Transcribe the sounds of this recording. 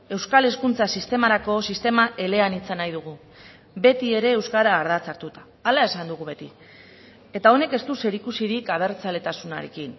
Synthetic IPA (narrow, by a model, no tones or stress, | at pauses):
e̞wskale̞skunt͡sasist̪e̞maɾako̞sist̪e̞maʔe̞le̞anit͡sanajðuɣ̞u | be̞t̪ie̞ɾe̞ːwskaɾaːɾðat͡saɾt̪ut̪ḁːlae̞sand̪uɣ̞uβe̞t̪i | e̞t̪ao̞ne̞ke̞st̪use̞ɾikusiɾikaβ̞e̞ɾt͡sale̞t̪asunaɾe̞̰kin